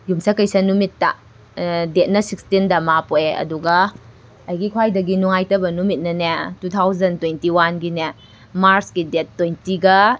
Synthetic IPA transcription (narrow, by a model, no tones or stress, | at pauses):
jumsɐkɐjsɐnumitːɐ̰ | det̚nɐsik̚stindɐmapoeʔɐ̰duɡɐ | ɐjɡikʰwajdɐɡinuŋajtɐbɐnumit̚nɐnetutʰawzɐntwejntiwanɡine | maɾsɡidetːojntiɡɐ